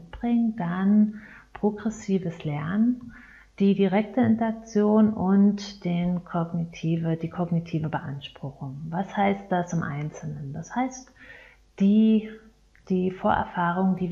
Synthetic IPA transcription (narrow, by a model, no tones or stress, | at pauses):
t̚b̥ʁɪŋdan | pʁ̥oɡʁɛsiːvəslɛɐnən | d̥iːdiʁɛk̚təɪntɐak̚t͡sjoːnʊntd̥eːnkʰɔɡnitʰiːvəd̥iːkʰɔɡnitʰiːvəbəʔa̰nʃpʁ̥ʊxʊŋvashaɪst̚d̥asɪmʔa̰ɪnt͡sl̩nəndashaɪst | d̥iː | d̥iːfoːɐʔɛ̰ɐfaːʁ̞ʊŋdiː